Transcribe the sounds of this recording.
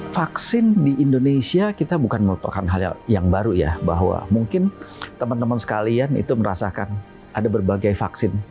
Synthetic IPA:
faksɪndiʔindonesiakit̪abukanməlupa̰kanɦala̰jaŋbaɾuja̰baɦwa̰muŋkɪnt̪əmant̪əmansə̥kalianḭt̪uməɾa̰sakan | adabərbaɡajfa̰ksɪn

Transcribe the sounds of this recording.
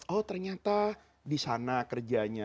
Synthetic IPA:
ɔt̪ərɲat̪a | disanakərd͡ʒaɲa

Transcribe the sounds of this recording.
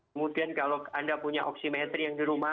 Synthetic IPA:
mudiankaloandapuɲaʔɔksimet̪ɾijaŋdiɾuma

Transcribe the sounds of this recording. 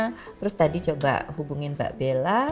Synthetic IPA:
t̪əɾʊst̪adit͡ʃoba̰ʔɦubuŋɪnba̰ʔb̥ela

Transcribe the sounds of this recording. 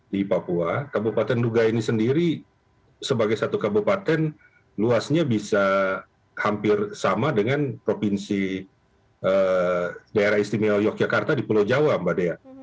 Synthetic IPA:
dipapuakabupat̪ɛnduɡainisəndiɾi | səbaɡajsat̪ukabupat̪ɛn | luasɲabisa | hampɪrsamadəŋanpɾopinsi | ə | daeɾahist̪imɛljɔk̚d͡ʒakart̪adipulod͡ʒawambadea

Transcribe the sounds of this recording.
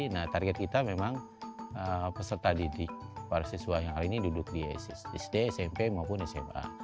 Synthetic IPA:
naht̪arɡɛt̪̚kit̪amemaŋ | əpəsərt̪adidɪk̚paɾasisuajaŋaɾinidudʊk̚diɛ̰sḭsɛ̰sdɛɛsɛmpemaupʊnɛsɛ̰ma̰

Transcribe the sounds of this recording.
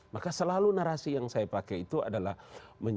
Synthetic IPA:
makasəlalunaɾasijaŋsajapakait̪ua̰dala̰hməɲ

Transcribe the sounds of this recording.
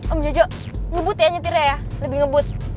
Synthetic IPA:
ʔɔmd͡ʒod͡ʒɔ | ŋəbʊt̪jaɲət̪iɾajaləbɪŋəbʊt̪̚

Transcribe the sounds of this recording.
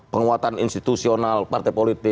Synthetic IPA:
pəŋuat̪aninst̪i̥t̪usionalpart̪ɛpolit̪ɪ

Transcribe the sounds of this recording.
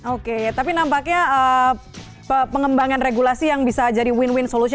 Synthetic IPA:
oket̪apinampakɲaəː | pəpəŋəmbaŋanreɡulasijaŋbisad͡ʒaɾiwɪnwɪnsolusi

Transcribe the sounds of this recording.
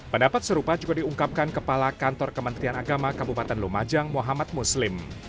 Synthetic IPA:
pəndapat̪̚səɾupad͡ʒuɡadiuŋkap̚kankəpalakant̪ɔrkəmənt̪ɾianaɡamakabupat̪ɛnlumad͡ʒaŋmuɦamat̪̚muslɪm

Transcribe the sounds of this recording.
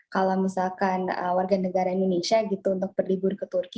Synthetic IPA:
kalawmisalkanə̰warɡanəɡaɾaindonesiaɡit̪uːnt̪ʊk̚bərlibʊrkət̪urki

